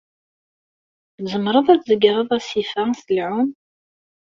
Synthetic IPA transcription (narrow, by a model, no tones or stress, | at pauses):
zəmɾˤəðˤæt͡szəɡɾˤəðˤæsifæsəlʕʊm